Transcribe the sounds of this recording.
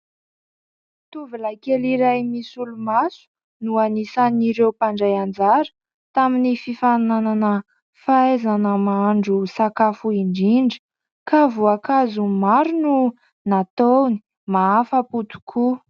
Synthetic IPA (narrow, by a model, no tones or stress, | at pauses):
t̪uvilakeliɾajmisulumasu̥ | nuanisaniɾewpaɳɖ͡ʐajand͡zaɾə̥ | t̪aminififanananə | faezanəmaɳɖ͡ʐusakafuiɳɖ͡ʐiɳɖ͡ʐə̥ | kavuakazumaɾunu | nat̪owni | maafəput̪u̥kʰu